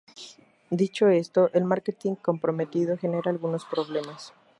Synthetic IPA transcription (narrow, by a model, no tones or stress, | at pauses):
d̪it͡ʃo̞e̞st̪o̞ʔe̞lmaɾket̪iŋko̞mpɾo̞me̞t̪iðo̞xe̞ne̞ɾaːlɣuno̞spɾo̞βle̞mas